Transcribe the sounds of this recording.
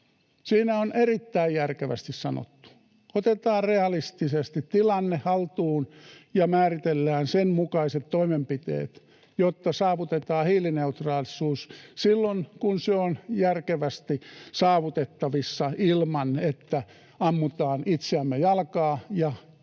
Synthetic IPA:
siːnæonʔerit̪ːæijjærkeʋæ̰st̪issɑno̰t̪ːu̥ | ot̪et̪ɑːrreɑlist̪isest̪it̪t̪ilɑnːehhɑlt̪uːnjɑmæːrit̪elːæːnsenmukɑiset̪toimempit̪ḛːt̪ | jot̪ːɑsɑːʋut̪et̪ɑːhiːlineut̪rɑːlisuːssilːonkunseonjærkeʋæst̪isɑːʋut̪et̪ːɑʋisːɑilmɑnet̪ːæ | ɑmːut̪ɑːnit̪seæmːejɑlkɑːjɑ

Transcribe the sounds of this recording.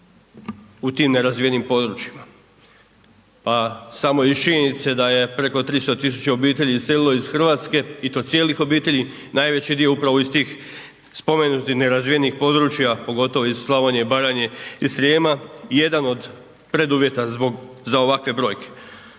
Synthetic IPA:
ut̪iːmne̞ɾazʋijenimpo̞d̪ɾut͡ɕima | pasamo̞it͡ʃiɲenit̪se̞d̪aje̞pɾeko̞t̪ɾist̪o̞t̪is̬u̥t͡ɕeo̞biːt̪e̞ʎiisse̞lilˠo̞izxr̩ʋaːt̪ske̞it̪o̞ːt̪sje̞ːlixo̞biːt̪e̞ʎi | naːjʋe̞t͡ɕid̪ijo̞upɾaʋoist̪iːx | spo̞me̞nut̪ixne̞ɾazʋijenixpo̞d̪ɾut͡ɕjapo̞ɡo̞t̪o̞ʋoizslˠaʋaɲe̞baɾaɲe̞isɾeːmaje̞d̪ano̞d̪ | pɾe̞d̪uʋje̞t̪azboɡ | zao̞ʋakʋe̞bɾo̞jke̥

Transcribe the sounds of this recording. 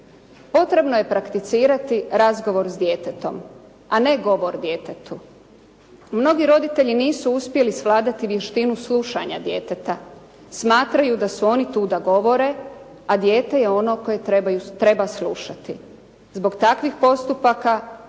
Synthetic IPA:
po̞t̪ɾe̞bno̞je̞pɾakt̪it̪siːɾat̪iɾazɡo̞ʋo̞ɾzd̪je̞ːt̪e̞t̪o̞̰m | ane̞ɡo̞ʋo̞ɾd̪je̞ːt̪et̪u | mno̞ɡiɾo̞d̪it̪e̞ʎiniːsuuspje̞lisʋlˠaːd̪at̪iʋje̞ʃt̪inusluʃa̰ɲad̪je̞ːt̪et̪a | smaːt̪ɾajud̪asuo̞nit̪uːd̪aɡo̞ʋo̞ɾe̞ | ad̪je̞ːt̪e̞je̞o̞no̞ko̞jeɾebajut̪ɾe̞baslˠuʃat̪i | zbo̞ɡt̪akʋixpo̞st̪upaka

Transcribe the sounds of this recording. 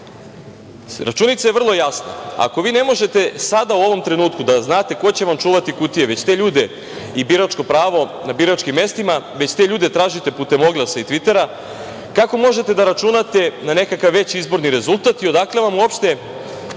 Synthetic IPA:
ɾa̰t͡ʃuːnit̪saje̞r̩lˠo̞jasna̰a̰ko̞ʋiːne̞mo̞ʒe̞t̪e̞sad̪auo̞ʋo̞mt̪ɾe̞nuːt̪kud̪aznaːt̪e̞ko̞t͡ɕe̞ʋamt͡ʃuːʋat̪ikut̪ije̞ʋe̞t͡ɕt̪e̞ːʎuːd̪e̞ | ibiɾat͡ʃko̞pɾaːʋo̞nabiɾat͡ʃkimːe̞st̪imaʋe̞t͡ɕt̪eʎuːd̪e̞t̪ɾaːʒit̪e̞put̪e̞mo̞ɡlˠasait̪ʋit̪e̞ɾa | kako̞mo̞ʒe̞t̪e̞d̪aɾat͡ʃunat̪e̞nane̞kakaʋːe̞t͡ɕizbo̞ɾniɾe̞zulˠt̪at̪io̞d̪akleʋamuo̞pʃt̪e̞

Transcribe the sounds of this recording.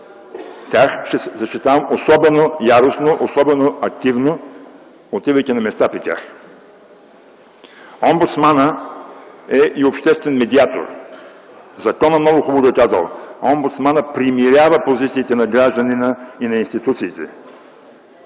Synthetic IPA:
t̪ʲjaxʃɛzɐʃt̪it̪avɐmosɔbɛnojaɾosnoʔosɔbɛnoɐk̚t̪ivno | ot̪ivəjk̪ʲinɐmɛst̪apɾit̪ʲa̰x | ombut̪smanə | ɛʔiopʃt̪ɛst̪vɛnmɛd̪iat̪o̰ɾ | zɐkɔnəmnɔɡʊxuboɡok̪azvə̰lˠɔmbut̪smanəpɾimiɾʲavəpozit̪siːt̪ɛnɐɡɾaʒd̪əninəinɐinst̪it̪ut̪siːt̪ɛ̰

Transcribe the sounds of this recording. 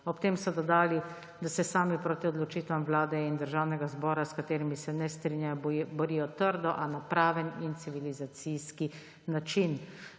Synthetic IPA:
ɔpt̪eːmsɔd̪ɔd̪aːli | d̪asɛsaːmipɾoːt̪iɔd̪lɔt͡ʃiːt̪ʋamwlaːd̪ɛind̪əɾʒawnɛɡazbɔːɾaskat̪eːɾimisɛnɛst̪ɾinjajɔbɔɾiːjɔt̪əɾd̪ɔʔanapɾaːʋɛnint̪siʋilizat̪sijski | nat͡ʃin

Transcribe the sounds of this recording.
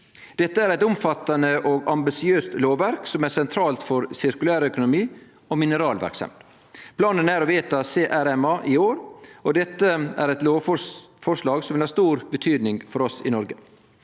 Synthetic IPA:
d̪̥ɛt̪ːəæɾɛɪt̪ʊmfɑt̪ːɑnəʔɔɡɑmbɪsɪøːst̪loːʋʋæɾksɔmæsɛnt̪ʰɾɑːlt̪fɔɾsɪɾkʉlæːɾœkʊnʊmiː | ɔmɪnəɾɑːlʋæ̰ɾksɑ̰m | pʰlɑːnənæɾɔʋeːt̪ɑseːʔæɾɛmɑːʔɪoːɾɔd̪ɛt̪ːəæ̰ɾɛt̪loːfɔfɔɾʂlɑːɡsɔmʋɪlhɑɾʂst̪uːɾbət̪ʰyːd̪nɪŋfɔɾɔsɪ̰nɔɾɡə

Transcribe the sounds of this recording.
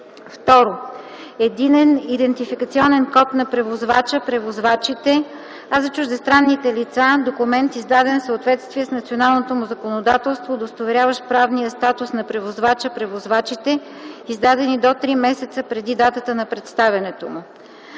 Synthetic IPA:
ft̪ɔɾo | ɛd̪inɛnid̪ɛnt̪ifikət̪siɔnɛnkɔt̪nɐpɾɛvozvat͡ʃəpɾɛvozvat͡ʃit̪ɛ | azɐt͡ʃuʒd̪ɛst̪ɾanːit̪ɛlit̪sad̪okʊmɛnt̪izd̪ad̪ɛnfsəot̪vɛt̪st̪viɛsnɐt̪sionalˠnot̪omʊzɐkonod̪at̪ɛlˠst̪vod̪ost̪ovɛɾʲjavəʃpɾavnijəst̪at̪ʊsnɐpɾɛvozvat͡ʃəpɾɛvozvat͡ʃit̪ɛ | izd̪ad̪ɛnid̪ot̪ɾimɛsɛt̪səpɾɛd̪id̪at̪ət̪ənɐpɾɛt̪st̪avʲɐnɛt̪omʊ

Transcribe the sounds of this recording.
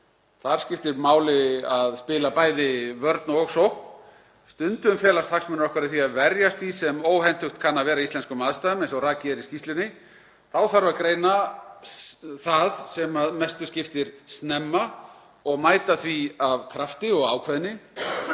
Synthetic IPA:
θaɾ̥scɪft̪ɪɾmaːwlɪaðspɪːlapaːjðɪvœɾt̪nɔɣsowhk | st̪ʏnt̪ʏʏmfjɛːlast̪haksmʏnɾɔhkʰvaɾðɪθiaðvɛɾjast̪fisɛmoːwhɛjn̥t̪hʏxt̪kʰanːavɛːɾaist̪ɛnskʏmaːðst̪aðʏmejnsɔɾaːcɪɾiscist̪lɪnɪ | θawθaɾvakɾeːjna | θaðsɛmaðmɛst̪ʏscɪft̪ɪɾ̥st̪nɛmːa | ɔɣmaːjt̪aθviavkʰɾaft̪ɪɔɣa̰ːwkʰvɛðnɪ

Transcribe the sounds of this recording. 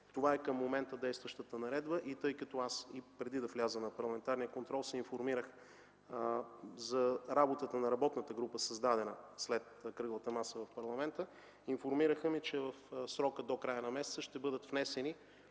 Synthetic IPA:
t̪ovaɛkəmːomɛnt̪əd̪ɛjst̪vɐʃt̪ət̪ənɐɾɛd̪bəʔit̪ɤjkət̪ɔasipɾɛd̪id̪ɐflʲazənɐpɐɾlˠɐmɛnt̪aɾnijəkont̪ɾɔlˠsɛinfoɾmiɾəx | zɐɾabot̪ət̪ənɐɾɐbɔt̪nət̪əɡɾupəsɐzd̪ad̪ɛnəslɛt̪kɾɤɡˠət̪əmasəvɐfpɐɾlˠɐmɛnt̪ə | infoɾmiɾəxəmit͡ʃɛvəfsɾɔkəd̪okɾajənɐmɛsɛt̪səʃt̪ɛbɤd̪ət̪fnɛsɛni

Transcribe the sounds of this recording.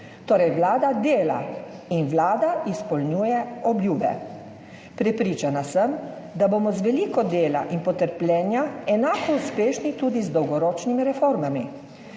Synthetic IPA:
t̪oːɾɛjʋlaːd̪ad̪eːla̰inʋlaːd̪aispɔlnjuːjɛɔbljuːbɛ̰ | pɾɛpɾiːt͡ʃanasəm | d̪aboːmɔzʋɛliːkɔd̪eːla̰ʔinpɔt̪əɾplʲjɛːnjaɛnaːkɔuspeːʃnit̪uːd̪izd̪ɔwɡɔɾoːt͡ʃnimiɾɛfoːɾmami

